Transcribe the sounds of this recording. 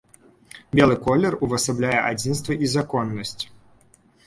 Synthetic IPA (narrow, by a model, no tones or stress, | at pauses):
bʲɛlˠɨkɔlʲːɛruvɐsablʲajɛʔad͡zʲinst̪vɐʔizakɔnːɐsʲt͡sʲ